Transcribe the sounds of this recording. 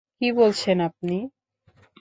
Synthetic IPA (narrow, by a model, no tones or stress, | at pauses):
kibolt͡ɕʰenap̚ni